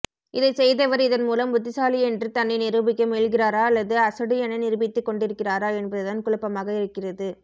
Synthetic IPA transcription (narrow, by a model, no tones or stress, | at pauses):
ʔɪðɐɪsɛjðɐʋɐɾɪðɐnmuːlɐmʊt̪ːɪsaːliɛndrɯt̪ɐnːɪnɪɾɯbɪkːɐmeːɭɣɪraːɾaːɐlːɐðɯɐsɐɽɯɛnɐnɪɾɯbɪt̪ːɯkːɔɳɖɪɾɯkːɪraːɾaːɛnbɐðɯðɐnkʊɻɪpːɐmaːɣɐɪɾɯkːɪrɐðɯ